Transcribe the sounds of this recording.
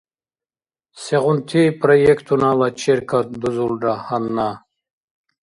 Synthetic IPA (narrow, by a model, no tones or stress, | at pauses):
seʁunt̪ʰipʰʼɾɔjekʰt̪ʰunalat͡ʃʰɛɾkʰad̪uzulɖahanːa